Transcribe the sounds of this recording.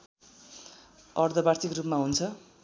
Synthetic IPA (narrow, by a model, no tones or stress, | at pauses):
ʌrd̪ʱʌbart̪ʰikrupmaɦunt͡sʰʌ